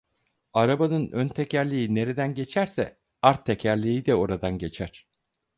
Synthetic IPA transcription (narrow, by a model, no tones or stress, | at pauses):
aɾabanɯnønt̪ʰɛcæɾlʲiine̞ɾed̪ænɟe̞t͡ʃʰæɾsɛ | aɾt̪ʰːɛcʰæɾlʲijid̪ɛo̞ɾad̪anɟe̞t͡ʃʰæɾ̥